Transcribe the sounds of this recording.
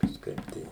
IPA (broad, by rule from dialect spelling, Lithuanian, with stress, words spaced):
kɐʃˈkɐɪp tɐɪ